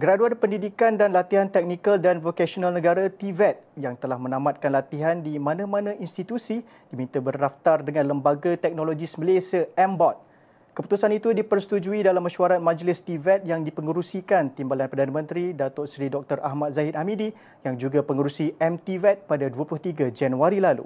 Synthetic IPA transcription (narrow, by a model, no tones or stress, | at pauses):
ɡəɾaduanpəndidikandanlat̪iɦant̪ɛk̚nikaldanvokasonalnəɡaɾat̪ivɛt̪̚jaŋt̪əlahmə̃nãmat̪̚kanlat̪iɦandimanãmãnãʔinst̪it̪usi | d̥imĩnt̪abərdaft̪ardəŋãnləmbaɡat̪ɛk̚noloɡisməlesiaɛmbɔt̪̚ | kəpu̥t̪usanit̪udipərsə̥t̪ud͡ʒuidalamːəʃuaɾat̪̚mãd͡ʒlɪst̪ivɛt̪̚jaŋdipəŋuɾusikant̪imbalanpərdanəmə̃nt̪ɾidat̪oʔsɾidɔk̚t̪ərʔa̰ɦmat̪̚zaɪt̪̚hamidi | jaŋd͡ʒuɡapəŋuɾusiɛmt̪ivɛt̪̚padaduəpluht̪iɡad͡ʒanuaɾilalṵ